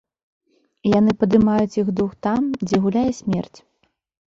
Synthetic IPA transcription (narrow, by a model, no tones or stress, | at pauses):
janɨpɐd̪ɨmajut͡sʲjixd̪uxt̪amd͡zʲɛɣulʲajɛsʲmʲɛ̰rt͡sʲ